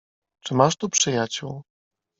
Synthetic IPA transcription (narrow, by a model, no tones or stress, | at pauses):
t͡ʂɘmaʂt̪upʂɘjat͡ɕuw